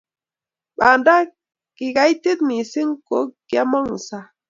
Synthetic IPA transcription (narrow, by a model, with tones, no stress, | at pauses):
ɓa˨nda˦ | ki˨ɡa˨˦i˦ti˦t̪̚mi˨si˦ŋ˦ko˨˦ɡ̥ja˦mɔ˦ŋ̩˨sa˦